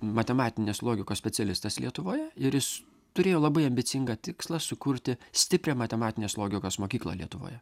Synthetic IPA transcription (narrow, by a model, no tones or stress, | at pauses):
mɐt̪ʲɛmɑːt̪ʲɪnʲeːslˠoːɡʲɪkoːsʲpʲɛt͡s̪ʲɛlʲɪst̪ɐslʲiɛt̪ʊʋoːjɛɪɾjɪs | t̪ʊɾʲeːjoːlˠɐbɐɪɐmʲbʲɪsʲɪŋɡɑt̪ʲɪkslˠɐsʊkʊɾʲt̪ʲɪsʲt̪ʲɪpʲɾʲeːmɐt̪ʲɛmɑːt̪ʲɪnʲeːslˠoːɡʲɪkoːsmoːkʲiːklˠɐ̰lʲḭɛt̪ʊʋo̰ːjɛ